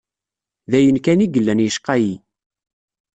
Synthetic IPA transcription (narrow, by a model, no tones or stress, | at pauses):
ðæjənkæniɡəlːænjəʃqɑji